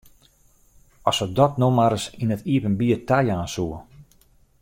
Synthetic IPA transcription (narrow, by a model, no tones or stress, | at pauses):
ɔsədɔtnomaɾəsinətiəpənbiətajaːnsuə